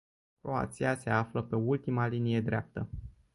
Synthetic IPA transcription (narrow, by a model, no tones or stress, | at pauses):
kɾo̞a̰t̪siase̞afləpe̞ult̪imalinije̞d̪ɾea̰p̚t̪ə